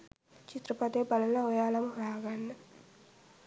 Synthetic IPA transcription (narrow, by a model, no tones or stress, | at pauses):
t͡ʃit̪ɾɐpɐd̪eːbɐlɐnlɐʋɔjaːlɐmɾaːɡanːi